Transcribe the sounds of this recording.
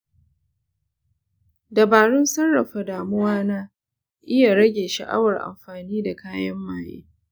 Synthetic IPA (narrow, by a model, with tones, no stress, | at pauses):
dɐ˨baː˨ɽɪ˦nsɐ˦rːɐ˨ɸa˨daː˨mʊ˦waː˦naː˦ | ʔɪ˦ja˨ɽɐ˦ɡʲeː˨ʃɐ̰˨ʔa̰˦wɐ˨rʔa̰˨mɸaː˨niː˦da˨kaː˦jɐ˦mːaː˨jḛː˦